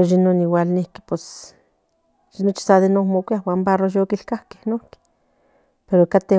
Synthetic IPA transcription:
oʃinoniwalnihki̥pwes | ʒinot͡ʃi̥saðenohmokʷjahwaːmbarojoːkilkahke̥hnohki̥ | peɾokat̪e

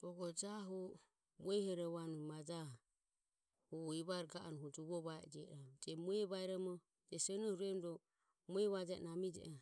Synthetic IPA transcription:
ɔɡɔd͡ʒaɦɔ | muɛhɔɾɔβanumad͡ʒa | hɔiβaɾɡaʔanuɦud͡ʒuβɔβaɛd͡ʒɛɾad͡ʒɛmuɛβaɛɾɔmɔ | d͡ʒɛsɛnɔhuɾɛnɾɔ | muɛβad͡ʒa̰namid͡ʒɛ̰ʔɔ

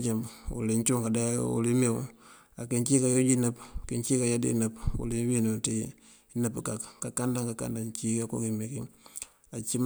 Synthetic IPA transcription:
t͡ʃamṵliɲt͡ʃuŋkadaṵlime | akint͡ʃikajod͡ʒinapkint͡ʃikajadḭnapṵliwinuti | napːkakkakandaŋkaka̰ndant͡ʃikako̰kimikiŋ | at͡ʃim

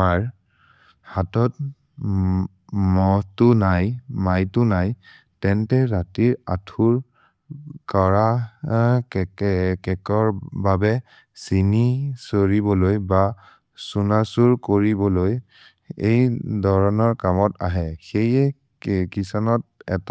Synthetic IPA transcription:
aɹ | hatɔt | mɔtʊnajmajtʊnaj | tɛntɛɹatiɹatʰuɹ | kɔɹa | kkɛkɔɹbabɛ | sinisoɹibɔlojba | sunasuɹkoɹibɔloj | ejdʱɔɹɔnɔɹkamɔta̰ɦɛxejɛ | kisɔnɔt̚ɛ̰t

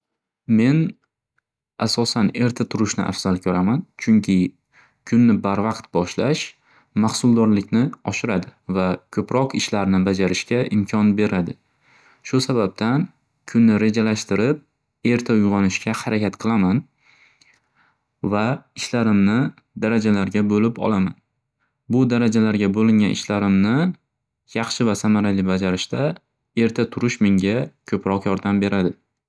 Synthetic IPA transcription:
me̞n | asɒsane̞ɾt̪ʰat̪ʰʊɾɪʃnɪ̰ʔa̰fz̥alˠkʲʰɵɾamant͡ʃʰʊŋkʲʰɪ | kʰʊnːɪbaɾvɑqt̪bɒʃlaʃ | mahsʊlˠd̪ɒɾlɪkʲnɪɒʃɪɾad̪ɪvakʲʰɵpɾɒqɪʃlaɾnɪbad͡ʒaɾɪʃkʲaʔɪmkʲʰɒnbe̞ɾad̪ɪ | ʃʊsabab̚t̪ʰan | kʲʰʊnːɪɾe̞d͡ʒalaʃt̪ɪɾɪp̚ | e̞ɾt̪ʰaʊjʁɑnɪʃkʲʰahaɾakʲʰat̪qʰɨlˠaman | vaɪʃlaɾɪmnɪ | d̪aɾad͡ʒalaɾɡʲabolɪpɒ̰lˠaman | bʊd̪aɾad͡ʒalaɾɡʲabolɪŋʲanʔɪ̰ʃlaɾɪmnɪ | jɑχʃɪvasamaɾalɪbad͡ʒaɾɪʃt̪a | e̞ɾt̪ʰat̪ʰʊɾɪʃmɪŋʲakʲʰɵpɾɒqjɒɾd̪ambe̞ɾʔad̪ɪ

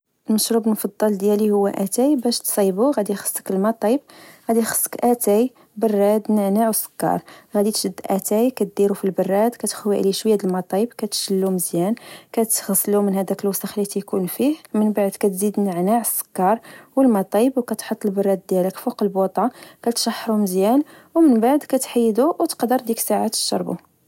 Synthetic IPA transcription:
ʔəlməʃɾubəlmfɑd̪ˤːɑld̪jælihʊwːæʔæt̪æjbæʃt̪sˤibuɣæd̪ixə̥sˤːə̥kəlmɑt̪ˤɑbɣæd̪ixə̥sˤːə̥kʔæt̪æj | bərˤːɑd̪nəʕnaʕwsə̥kːɑ̰ɾˤɣæd̪it̪ʃəd̪ːʔæt̪æjkæt̪̚d̪iɾufilbərːɑd̪kæt̪xwiʔliʃwəjːæd̪əlmɑt̪ˤɑbkæt̪ʃəlːuməzjænkæt̪ɣɑsːlumənhæd̪ækəlwɑsˤəxlit̪ijkunfihmənbaʕd̪kæt̪zid̪nəʕnaʕəsːə̥kːɑɾˤwəlmɑt̪ˤɑbwkæt̪ħot̪ˤːəlbɑrˤːɑd̪̚d̪jæləkfuqəlbot̪ˤʕɑkæt̪ʃɑħːɾuməzjæn | wmənbaʕd̪kæt̪ħajːd̪uwt̪ə̥qd̪əɾˤd̪iksaʕat̪ə̥ʃːɑ̰ɾˤbṵ

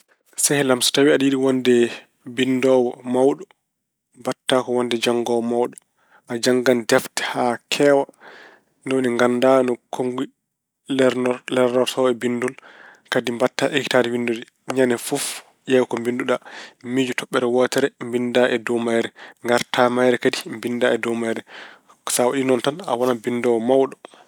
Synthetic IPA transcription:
sɛhɛlamsu̥tawiaɗijiɗiwɔndɛ | bindɔwɔmawɗɔ | mbatːakɔwɔndɛd͡ʒaŋɡɔwɔmawɗɔ | ʔad͡ʒaŋɡandɛftɛ̥hakʰɛwa | nɔwniŋɡandanɔkʰoŋɡi | lɛɾnɔɾtɔɛbindulkadimbatːaʔeki̥taɾiwinduɾi | ɲanɛfuf | jɛwkɔmbinduɗamid͡ʒutɔɓːɛɾɛwɔtɛɾɛmbindaʔɛdɔmajɾɛŋɡaɾtʰamajɾɛkadimbindaɛdɔmajɾɛ | sawaɗinɔntana̰wɔnabindɔwmawɗɔ

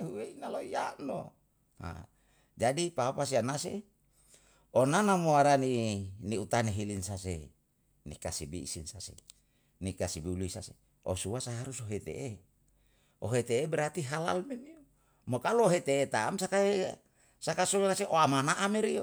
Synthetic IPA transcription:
uweinaloia̰no̰ | ha̰ | d͡ʒadipapasianase | onanamoaɾaniniut̪aniɦilinsase | nikasibiḭsinsasḛ | nikasibiuluisa̰se | osuwasaɦaɾusoɦet̪ḛʔe | oɦet̪eːbeɾat̪iɦala̰lmemio | mokaloɦet̪eːt̪aːmsakae | sakasuɾaseʔoamanaʔameɾio

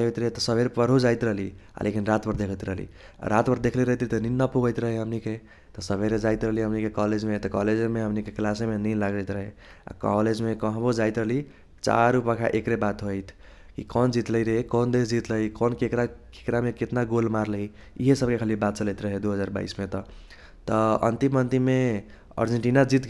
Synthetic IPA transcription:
ojt̪ɾəɦet̪ɔsəbʱeɾpəɾɦod͡ʒajt̪ɾəɦlia̰lʔekinɾat̪bəɾd̪ekʰət̪ɾəɦlḭ | ɾat̪bəɾd̪ekʰleɾəɦjt̪it̪ɔninːapuɡəjt̪ɾəɦeɦəmnike | t̪ɔsəbʱeɾed͡ʒajt̪ɾəɦliɦəmnikekɔled͡ʒmet̪ɔkɔled͡ʒemeɦəmnikeklasemeninlaɡəjt̪ɾəɦe | a̰kɔ̰led͡ʒmekəɦbod͡ʒaɪt̪ɾəɦli | t͡ʃa̰ɾupakʰa̰ʔekɾebat̪ɦojt̪ʰ | kikɔnd͡ʒit̪ləiɾəɦekɔnd̪esd͡ʒit̪ləɦikɔnkekɾake̥kɾameket̪naɡolmaɾlɦiː | ɦesəb̚kekʰəlibat̪̚t͡ʃələjt̪ɾəɦed̪uɦəd͡ʒaɾba̰ismet̪ɔ | t̪ɔə̰nt̪imənt̪ime | ə̰ɾd͡ʒeɳʈinad͡ʒit̪

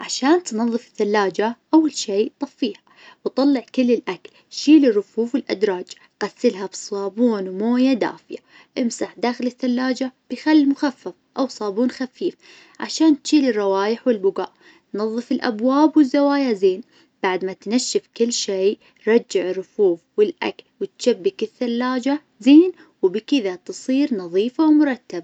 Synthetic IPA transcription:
ʕaʃaːnt̪nɑðˤːɨfɪ̥θːalːaːd͡ʒaʔawːalʃeːt̪ˤɑfːiːha | wt̪ˤɑlːɪʕkɪlːɪlʔakl | ʃiːlɪrːʊfuːfwɪlʔa̰d̪ɾˤɑːd͡ʒ | ɣ̥asːɪlɦabsˤɑːbuːnmoːjad̪a̰ːfɪja | ʔɪmsaħd̪aːxɪlɪθːalːaːd͡ʒab̥ɪjxalːimʊxafːafʔawsˤɑːbuːnxafiːf | ʕa̰ʃaːnt̪ʃiːlɪrˤːɑwaːjɪħwɪlbʊɡa̰ːʔ | nɑðˤːɨfɪlʔa̰bwaːbwɪzːawaːjazeːn | b̥aʕd̪mat̪naʃːɪfkɪlːʃeː | ɾˤɑd͡ʒːɪʕɪrːʊfuːfwɪlʔa̰klwɪt̪ʃabːɪkɪθːalːaːd͡ʒa | zeːn | wbkɪðat̪ɨsˤiːɾnɑðˤiːfawmʊɾˤɑt̪ːaba

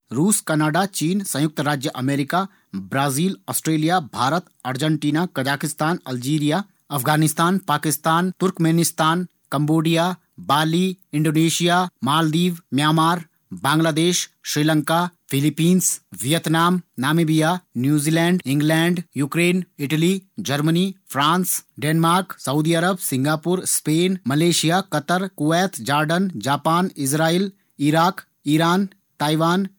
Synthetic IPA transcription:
ɾuːskɐnaːɖat͡ʃiːnsɐ̃jʊk̚t̪ɾaːd͡ʒjəʔɐmeːɾɪka | bɾaːziːlɔːsʈɾeːlijabʱaːɾət̪ɐɾd͡ʒəɳʈiːnakɐd͡ʒaːkɪst̪aːnɐld͡ʒiːɾijaː | ɐfʰɡaːnɪst̪aːnpaːkɪst̪aːnt̪ʊɾkmeːnɪst̪aːn | kɐ̃mboːɖijaː | baːliɪ̃ɳɖoːneːʃijaːmaːld̪iːʋmjaːmaːɾ | bãːŋɡlaːd̪eːʃʃɾiːlə̃ŋkafʰɪlipiːnsʋijət̪naːmnaːmiːbijaːnjuːziːlɛ̃ːɳɖɪ̃ŋɡlɛːɳɖjuːkɾeːnɪʈəlid͡ʒɐɾmənifʰɾãːnsɖeːnmaːɾksɐud̪iɐɾəbsɪ̃ŋɡaːpuɾspeːnmɐleːʃijaːkɐt̪əɾkoʋɛːt̪ʰd͡ʒaːɾɖənd͡ʒaːpaːnɪsɾaːil | iɾaːk | iɾaːn | t̪aːiʋaːn

